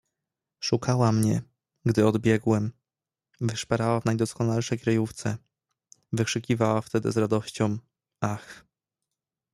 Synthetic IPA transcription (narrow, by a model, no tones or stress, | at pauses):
ʂukʰawamɲɛ | ɡd̪ɘɔd̪bʲjɛɡwɛm | vɘʂpaɾawavnajd̪ɔskɔnalʂɛjkɾajuft̪sɛ | vɘkʂɘkʲivawaft̪ɛd̪ɘ̰zɾad̪ɔɕt͡ɕɔ̃w̃ | ax